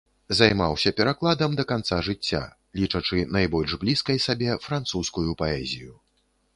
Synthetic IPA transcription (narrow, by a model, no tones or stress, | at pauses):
zajmawsʲɐpʲɛɾaklˠad̪ɐmd̪ɐkant̪saʐɨt͡sʲːa̰ | lʲit͡ʂɐt͡ʂɨnajbɔlʲʐblʲiskɐjsabʲɛfɾant̪suskujupaɛzʲiju